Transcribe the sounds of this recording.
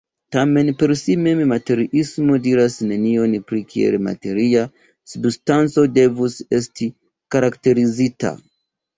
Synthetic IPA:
tame̞npe̞ɾsimemmate̞ɾiʔismo̞diɾasne̞nio̞npɾikʰiḛlma̰te̞ɾia | substant͡so̞de̞vuse̞stʰi | kaɾakte̞ɾizita̰

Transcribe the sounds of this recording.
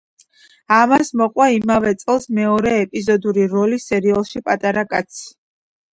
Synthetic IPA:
amasmɔqʼwaimavɛt̪sʼɛlˠsmɛɔɾɛːpʼizɔd̪uɾiɾɔlisɛɾialˠʃipʼat̪ʼaɾakʼat̪sʰ

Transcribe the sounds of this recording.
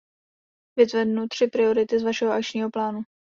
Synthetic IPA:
vɪt̪vɛdnut̪r̝̥ɪpɾɪo̞ɾɪt̪ɪzvaʃɛɦoʔak̚t͡ʃɲiːɦo̞plaːnu

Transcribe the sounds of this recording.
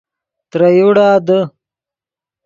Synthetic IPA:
t̪ɾɐjuɽaːd̪ə

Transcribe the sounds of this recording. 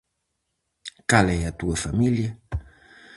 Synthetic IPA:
kalejat̪uəfamilja

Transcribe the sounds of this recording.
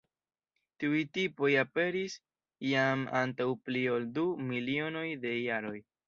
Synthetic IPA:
tiujtipo̞jape̞ɾis | jama̰ntawplio̞ldumilio̞no̞jde̞jaɾo̞j

